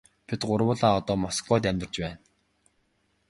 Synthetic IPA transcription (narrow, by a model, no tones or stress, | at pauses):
pʰit̪ɢʊɾwʊːɮaːɔt̪ɔːmɔskɔːt̪̬æmʲt̪r̥̆t͡ɕpæːn